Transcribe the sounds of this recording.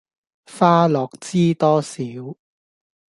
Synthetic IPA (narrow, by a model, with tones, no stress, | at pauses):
faː˥lɔː˨k̚t͡siː˥t̪ɔː˥siː˨˦˥w